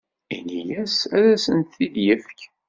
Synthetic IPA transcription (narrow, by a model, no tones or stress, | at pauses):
ḭnijæsæðæsənt̪θiðjəfk